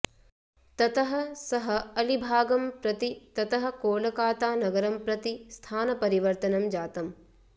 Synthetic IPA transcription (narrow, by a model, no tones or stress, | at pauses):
t̪ɐt̪ɐɦɐsɐɦɐɐlibʱaːɡɐmpɾɐt̪it̪ɐt̪ɐɦɐ̆koːlɐkaːt̪aːnɐɡɐɾɐmpɾɐt̪ist̪ʰaːnɐpɐɾiʋɐɾt̪ɐnɐmd͡ʒaːt̪ɐm